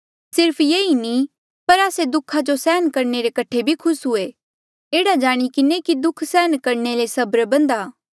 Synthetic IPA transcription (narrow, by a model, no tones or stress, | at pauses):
sɪɾpʰjeːini | pɐɾaːsed̪ʊkʰad͡ʒosɛːənkɐɾneɾekɐʈʰebʱikʰʊsɦʊe | eːɽad͡ʒaːɽ̃ikɪnekid̪ʊkʰsɛːnkɐɾnelesɐbɾbɐ̃nd̪aː